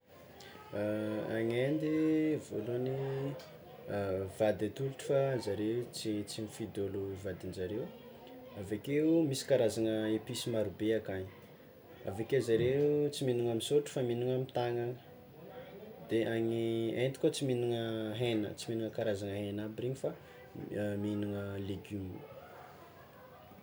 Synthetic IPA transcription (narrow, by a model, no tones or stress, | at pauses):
a̰ŋend̪ivoloni | v̥ad̪at̪uluʈ͡ʂə̥fazaɾet͡sit͡simifid̪oluvad̪inzaɾew | avakeumisi̥kaɾazaŋəepisimaɾubeakaɲi̥ | a̰vakeuzaɾet͡siminuŋamisoʈ͡ʂə̥faminuŋamit̪aŋaŋə̥ | d̪̥eʔaɲient̪i̥kʲot͡siminiŋəɦenə̰t͡siminiŋəkaɾazaŋəɦenabiriɲifa | minuŋəleɡumi̥